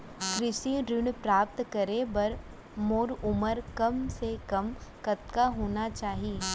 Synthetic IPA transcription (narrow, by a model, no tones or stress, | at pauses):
kɾɪʃiɾɪɽ̃pɾaːp̚t̪kəɾebɐɾ | moːɾʊməɾkɐmsekɐmkɐt̪kaɦoːnat͡ʃaːɦi